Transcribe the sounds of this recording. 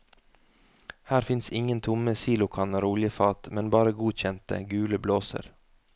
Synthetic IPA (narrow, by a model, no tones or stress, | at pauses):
hæːɾfɪnsɪŋənt̪ʰʊməsiːlʊkʰɑnəɾuːlɪəfɑːt̪mɛnbɑːɾəɡuːc͡çɛnt̪ə̰ɡʉːləbloːsə̰ɾ